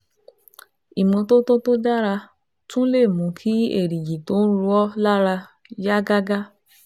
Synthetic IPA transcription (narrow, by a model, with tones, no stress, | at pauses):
i˨mɔ̃˧to˦to˦to˦da˦ɾa˧ | tũ˦le˦˨mũ˨˦kʰi˦ḛ˦˨ɾi˨ji˨to˦n̩˦ɾu˧ɔ˦la˦ɾa˧ | ja˦ɡa˦ɡa˦